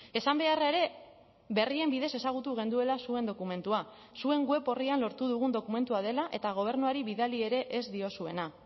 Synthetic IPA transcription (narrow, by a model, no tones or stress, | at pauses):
e̞sambe̞arae̞ɾe̞ | βe̞rie̞mbið̞e̞se̞saɣ̞ut̪uɣ̞e̞nd̪ue̞lasue̞nd̪o̞kume̞nt̪ua | sue̞ŋɡwe̞po̞rianlo̞ɾt̪uðuɣ̞und̪o̞kume̞nt̪uað̞e̞laʔe̞t̪aɣ̞o̞β̞e̞ɾnuaɾiβiðalie̞ɾe̞ʔezd̪io̞sue̞na